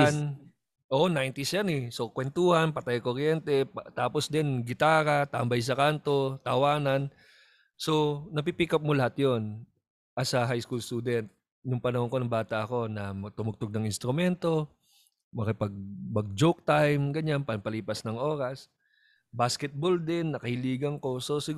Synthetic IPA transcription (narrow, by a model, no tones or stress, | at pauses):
n | ʔoːʔonajnt̪ɪsjanɛso̞kwɛnt̪uːhɐnpɐt̪ajkoɾjɛnt̪ɛt̪aːposd̪ɛnɡɪt̪aːɾɐt̪ambɐjs̬ɐkant̪o̞t̪ɐwaːnɐn | so̞nɐp̬ipiːkɐp̚molɐhat̪jo̞n | ʔɐsɐɦajskulst̪uːd̪ɛnt̪̚ | jʊŋpɐnɐhoŋkonɐŋbaːt̪ɐʔɐko̞nɐmɐt̪ʊmʊɡ̚t̪oɡ̚nɐŋɪnst̪ɾʊmɛnt̪o̞ | mɐkɐpɐɡ̚mɐɡ̚d͡ʒok̚t̪ajmɡɐɲanpɐnpɐliːpɐsnɐŋo̞ːɾɐs | baskɛt̪̚bold̪ɪnːɐkɐhɪliːɡɐŋko̞so̞sɪ